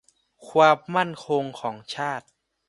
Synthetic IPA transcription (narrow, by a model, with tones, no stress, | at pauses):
kʰwaː˧mːa˥˩nkʰo˧ŋkʰɔː˩˦ŋt͡ɕʰaː˥˩t̪̚